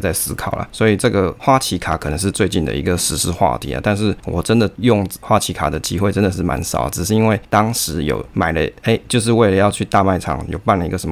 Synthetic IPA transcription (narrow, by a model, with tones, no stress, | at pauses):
t͡sa˥˩ɪsɹ̩˥kʰɑ˨˩ʊʔə̰˩swɔ˧˥i˨˩ʈ͡ʂɤ˥˩ɡə˨xwa˥t͡ɕʰi˧˥kʰa˨˩kʰɤ˨˩nə˧˦ŋʂ̬ɻ̩˥˧t͡swe˥˧ɪt͡ɕi˥˩nd̪ə̰˨ḭ˧˥ɡə˧˨ʂɻ̩˧˥ʂɻ̩˥xwa̰˥˧t̪ʰḭ˨˦lə̰˦t̪a˥˧nʂɻ̩˥˩wɔ˨˩ʈ͡ʂə˦˥nd̪ə˨jʊ˥˩ŋxwa˥t͡ɕʰi˧˥kʰa̰˨˩d̪ə˩t͡ɕi˦˥xwe˥˩ɪʈ͡ʂə˦nd̪ə˨ʂɻ̩˥˩ma̰˧˦nsɑ̰˨˩ʊə̰˩ʈ͡ʂɻ̩˨˩ʂɻ̩˥˩i˥nwe˥˩ɪt̪ɑ˥ŋʂɻ̩˧˥jo̰˨˩ʊma˨˩ɪlə̰˦e˥ɪt͡ɕjo˥˧ʊʂ̬ɻ̩˥˧we˥˩ɪlə˩jɑ˥˧ʊt͡ɕʰy˥˧t̪a˥˧ma˥˩ɪʈ͡ʂʰɑ̰˨˩˦ŋjo̰˨˩ʊpa˥˩nlə˩i˧˥ɡə˨ʂə˧˥m